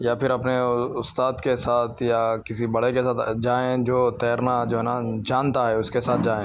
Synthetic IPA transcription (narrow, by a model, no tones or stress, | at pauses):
japʰɪɾɐpneʊst̪aːd̪kesaːt̪ʰjakɪsibɐɽekesaːt̪d͡ʒaːẽd͡ʒoːt̪ɛːɾnad͡ʒoːɦɛːnad͡ʒaːnt̪aɦɛʊskesaːt̪̚ʰd͡ʒaːẽː